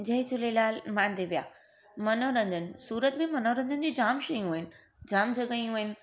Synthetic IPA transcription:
d͡ʑɐɦɪ̃t͡ɕʰʊlelaːlmãːnd̪ʱeʋija̰ː | mɐnoːɾɐ̃ɲd͡ʑənɪ̆suːɾət̪mẽmɐnoɾə̃ɲd͡ʑənɪ̆d͡ʑiːd͡ʑaːmʃɐjũɪnɪ̆ | d͡ʑaːmd͡ʑɐɡəiũɦɪnɪ̆

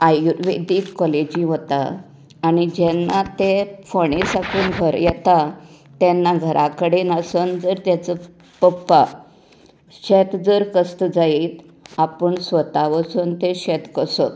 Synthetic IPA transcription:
ajuʋed̪iːt̪kɔled͡ʑĩɦot̪a̰ː | ɽ̃id͡ʑɛnːat̪efəɽ̃esakuːnɡʱəɾjɛt̪at̪jɛnːaɡʱəɾʔakəɽenasənd͡zəɾt̪jat͡sə | pəpːa | ɕɛt̪d͡zəɾkəst̪əd͡zaiːt̪ | apəɳsʋət̪aʋəsənt̪eɕɛt̪kəsot̪̚

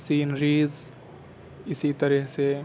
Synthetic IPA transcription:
siːnɾiːz | ɪsit̪əɾəɦse

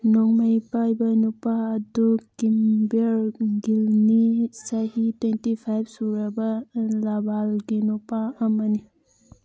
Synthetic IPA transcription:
nɔŋmajpajbanupaɐdukimbeɾɡilnisaɦitwentipʰajp̚ʰsuɾɐbɐlabalɡinupaɐmɐni

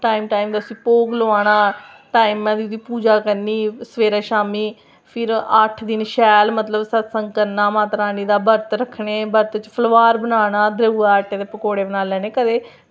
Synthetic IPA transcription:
ʈaːimʈaːimd̪aːsĩːpoːɡloaːɽaː | ʈaːimãːd̪iːʊt̪iːpuːd͡ʒaːkəɾniːsəʋeːɾaːʃaːmiː | pʰɪɾəʈʰd̪ɪnʃɛːlmət̪ləbsət̪sə̃ŋɡkəɾnaːmãːt̪ɾaːniːd̪aːbəɾt̪ɾəkʰɳeːbəɾt̪t͡ʃpʰəlʋaːɾbənaːɽaːd̪ɾəɡuːaːaʈːẽːd̪eːpəkoːɽeːbənaːlɛːneːkəd̪eː

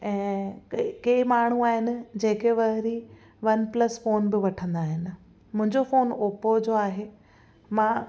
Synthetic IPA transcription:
ɛ̃ː | kɐimaːɳ̤̃uaːɦɪnɪ̆d͡ʑeːkeʋɐɦɪɾi | ʋɐnplɐsfoːnbɪʋɐʈʰə̃nd̪aːɦɪnɪ̆ | mʊ̃ɦɪ̃ɲd͡ʑofoːnoːpod͡ʑoːaːɦeː | mãː

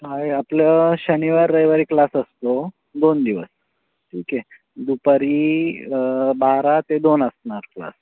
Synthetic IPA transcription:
kajapləɕəniʋaɾːəjʋəɾiklasəst̪o | d̪ond̪iʋəs | ʈʰiːke | d̪upəɾi | baɾat̪ed̪onəsnaɾkla̰s

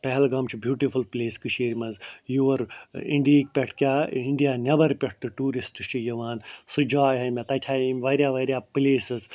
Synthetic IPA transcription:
pɐɦlɡɐmt͡ʃʰibjuːʈifulpleːskɨʃeːɾmɐnzjuʋɐɾḭ̃ɳɖiiːk̚pʲɐʈʰkʲaːiɳɖijaːnʲɐbɐɾpʲeʈʰʈ̪ɨʈuːɾisʈɨt͡ʃʰijɐʋaːnsɨd͡ʒaːjɦɐmʲet̪ɐʈʲʰaːimʋɐɾjaːʋɐɾʲjaːpleːsɨz

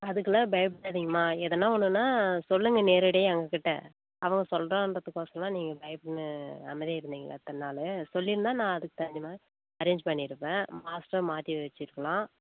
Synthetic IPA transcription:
ɐðɯkːɯlɐbɐjɐbɪaːðiːŋɡɐmaːɛðɐnːaːɔnːɯnːaːsɔlːɯŋɡɐneːɾɪɽeːɐŋɡɐkɪʈːḛ̃ː | ɐʋɐŋɡɐsɔlrõːnrɐt̪ːɯkːoːsɐlãːniːŋɡɐbɐjɐbnɯɐ̰mɐðjaɪɾɯnd̪iːŋɡɐɐt̪ːɐnːaːlɯsɔlːɪɾɯnd̪aːnãːɐðɯkːɯ̥t̪ɐɲd͡ʒɪmaː | ɐɾeːɲd͡ʒpɐɳːɪɾɯpːẽːmaːsʈɐɾmaːt̪iʋɛt͡ʃːɪɾɯkːɐlãː

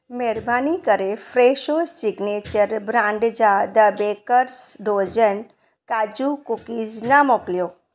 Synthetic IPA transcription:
meːɾbaːnikəɾefɾeːʃosiɡneːt͡ʃəɾbɾãːɳɖd͡ʒaːd̪əbeːkəɾsɖoːd͡ʒən | kaːd͡ʒukukiːznamoːkljoː

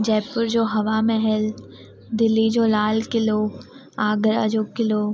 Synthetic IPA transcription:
d͡ʒɛːpʊɾd͡ʒoːɦɐʋamɛɦɛl | d̪ɪlːid͡ʒoːlaːlkɪloːɡ | aːɡəɾa̰d͡ʒoːkɪloːɡ

